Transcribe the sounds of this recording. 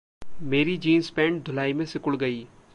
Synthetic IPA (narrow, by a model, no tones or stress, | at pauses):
meːɾid͡ʒiːnspɛ̃ːɳʈ̚d̪ʱʊlaːimẽsɪkʊɭɡɐiː